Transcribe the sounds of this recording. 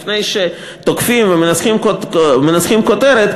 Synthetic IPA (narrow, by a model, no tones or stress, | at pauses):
fnejʃe | t̪okfimvemenat͡sχimkmenat͡sχimkot̪e̞ɾet̪